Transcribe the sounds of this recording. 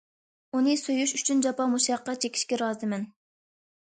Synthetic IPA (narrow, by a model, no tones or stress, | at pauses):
unɨsøjyʃyt͡ʃʰynd͡ʒɑpɑmuʃɑqːɑt͡ʃʰekʲʰi̥ʃkʲɛɾɑːzɨmɛn